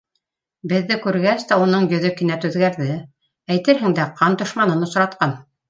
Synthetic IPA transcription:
bɘ̆ðːɘkʉɾɡæst̪æunɤɴjɵ̆ðɵkɘ̆næt̪ʉðɡæɾðɘ | æjt̪ɘɾɦɘ̆ŋd̪æqʰɑnt̪ŏʃmɑnɤnŏsɾɑt̪̚qɑn

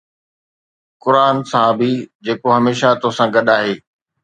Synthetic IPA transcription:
kʊɾaːnsãbɪd͡ʑeːkoɦɐmeːʃat̪osãːɡɐɗaːɦeː

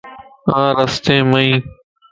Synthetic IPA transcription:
ãːɾəst̪ẽːməĩː

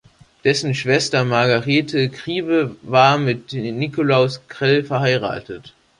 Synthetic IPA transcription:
d̥ɛsn̩ʃv̥ɛstɐmaɐɡaʁeːtʰəkʁ̥iːbəvaːɐmɪtnikolaʊskʁ̥ɛlfɛɐhaɪʁa̰ːtʰət

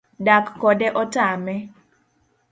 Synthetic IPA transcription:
dakːɔdɛʔɔtamɛ

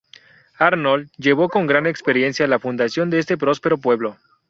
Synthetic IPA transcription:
aɾnolʝe̞β̞o̞ko̞ŋɡɾane̞kspe̞ɾje̞nsjalafund̪asjo̞nd̪eest̪e̞pɾo̞spe̞ɾo̞pwe̞βlo̞

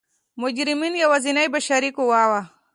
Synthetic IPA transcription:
mʊd͡ʒɾɪminjawazinajbaʃaɾikuwaːwa

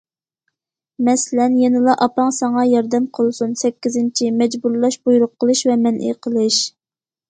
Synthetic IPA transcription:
mɛsɪlɛnjenɨlˠɑʔɑpɑŋsɑŋɑjɑɾd̪ɛmqʰəlˠsunsɛkʲːizɪnt͡ʃʰimɛd͡ʒbuɾlˠɑʃbujuɾʊqʰːəlˠɨʃvɛmɛnʔḭqʰəlˠɨʃ

